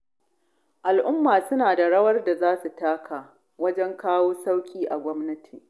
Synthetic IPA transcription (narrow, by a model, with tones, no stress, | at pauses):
ʔa˨lʔʊ˦mːaː˨sʊ˦naː˨da˨ɽɐ˦wɐ˦rda˨zaː˦su˨taː˦kʰaː˨ | wɐ˦d͡ʒɛ˦ŋkaː˦woː˦sa˦wkʲʼiː˨ʔa˨ɡʷɔ˦mnɐ˦tʰiː˨